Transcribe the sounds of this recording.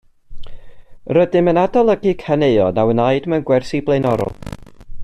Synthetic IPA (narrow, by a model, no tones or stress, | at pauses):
rədɪmənadɔlˠəɡɨkʰaneɨɔnawənaɨdmanɡwɛrsiblˠejnɔɾɔ̰lˠ